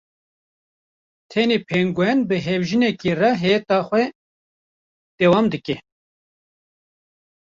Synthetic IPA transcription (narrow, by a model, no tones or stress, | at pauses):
t̪ʰɛneːpʰeŋɡʷɛnbɨɦɛvʒinɛkirɑɦɛːt̪ɑxʷɛ | d̪̥ɛːwɑːmd̪ɨkɛ